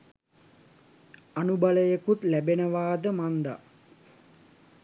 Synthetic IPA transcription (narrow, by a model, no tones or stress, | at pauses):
anubaləjekut̪læbenəʋaːd̪əmand̪a̰